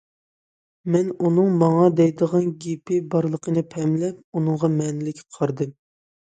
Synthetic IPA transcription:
mɛnunɨŋmɑŋɑd̪ɛjd̪əʁɑnɡʲipʰɪbɑɾlˠəqʰənɨpʰɛmlɛp̚unɨŋʁɑmɛnɪlɪkʲqʰɑɾd̪ɨm

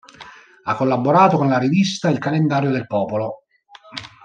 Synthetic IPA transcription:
akːolːabːoɾaːt̪okonlaɾivist̪ailkalend̪aːɾjod̪elpɔːpolo

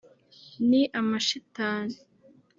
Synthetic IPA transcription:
niʔamaʃitaːni

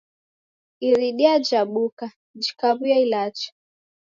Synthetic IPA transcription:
iɾiɗiad͡ʒaɓuka | d͡ʒikaβujailat͡ʃḁ

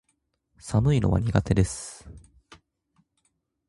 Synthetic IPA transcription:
sanɯinoβa̰ɲ̟iɡat̪e̞d̪e̞sɨ̥

